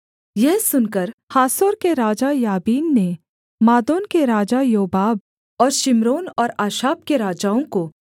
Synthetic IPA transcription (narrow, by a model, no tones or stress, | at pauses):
jɛɦsʊnkəɾhaːsoːɾkeɾaːd͡ʒajaːbiːnːe | maːd̪oːnkeɾaːd͡ʒajoːbaːb̚ | ɔːɾʃɪmɾoːnɔːɾaːʃaːp̚keɾaːd͡ʒaːõko